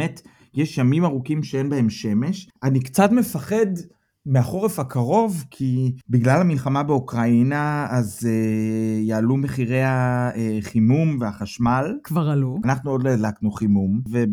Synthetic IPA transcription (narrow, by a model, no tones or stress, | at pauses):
met | jeʃjamimaʁukimʃeenbahe̞mʃe̞me̞ʃanikt͡satme̞faχe̞d | meaχo̞ʁefhakʰaʁo̞vkʰibiɡlalhamilχamabeukʁainaːzejaːlume̞χiʁe̞jhaeχimumveaχaʃmalkvaʁalunaχnuo̞dleadlaknuχimumve